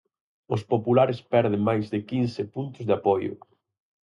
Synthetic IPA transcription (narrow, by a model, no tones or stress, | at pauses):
ʊspopulaɾɪspɛɾðɪŋmajzðɪkinsɪpunt̪ʊzðɪapɔjʊ̰